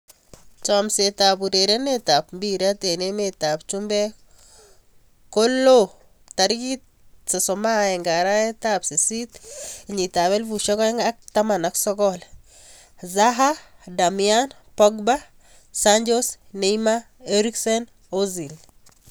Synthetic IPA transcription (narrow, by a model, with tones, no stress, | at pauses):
t͡ʃɔ˨msetapu˨ɾe˨ɾe˦ne˦tapmbi˦ɾa˦t̪e˨ne˦meta˨p̚t͡ʃumbɛ˦ | ko˦lːo | ta˨ɾki˦t | se˨sɔ˨ma˦ɛ˨ŋɡa˨ɾa˦ɛ˦tapsi˨si˦t̪ɲi˨ta˨βɛ˦lvu˨ʃɔ˦kɔ˦ɛŋa˦k̚ta˦ma˨naksɔ˦kɔl | zaɦada˨mian | pɔɡba˦ | saɲd͡ʒo˦sne˨ima | eɾi˦ksɛ˦n | ozi˨l